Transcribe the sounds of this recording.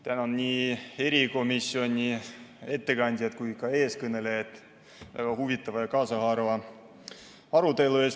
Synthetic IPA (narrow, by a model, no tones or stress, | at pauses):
t̪ænonnʲiːe̞ɾiko̞misːio̞nʲːie̞t̪ːe̞kɑnʲd̪̥ʲijɑt̪kujkɑe̞ːskɤne̞lejɑt̪ːˑ | væ̰ɡ̥ɑhuvit̪ːˑɑvɑjɑkɑːsɑhɑːɾvɑ | ɑɾut̪e̞lues